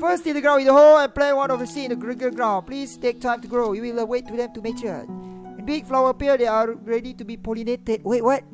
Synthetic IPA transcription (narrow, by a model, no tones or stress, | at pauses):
fəstidəɡɹãʊ̃nwidəɦolɛ̃nplɛ̃wãnɔfəsĩndəɡɹiɡəɡɹãʊ̃nplistek̚tʰãɪ̃mtuɡɹojiwilwetːudɛ̃mtumek̚t͡ʃəɛ̃nbikflawəpiədeaɹɛditubipolinetəd̚wet̚wɔt̚